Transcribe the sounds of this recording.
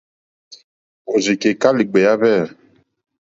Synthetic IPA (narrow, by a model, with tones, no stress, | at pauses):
o˨zi˨ke˨ka˦li˨ɡ͡bɛ˨ja˦βɛ˦˨